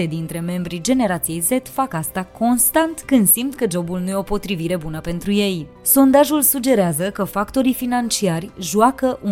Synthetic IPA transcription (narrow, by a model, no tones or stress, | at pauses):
e̞d̪int̪ɾe̞me̞mbɾid͡ʒe̞ne̞ɾat̪sije̞jze̞t̪fakast̪akʰo̞nst̪ant̪kɨnd̪simt̪kəd͡ʒo̞bulnuje̞o̞po̞t̪ɾiviɾe̞bunəpe̞nt̪ɾuje̞j | so̞nd̪aʒulsud͡ʒe̞ɾeazəkəfakt̪o̞ɾifinant͡ʃiarʲʒuakəʔu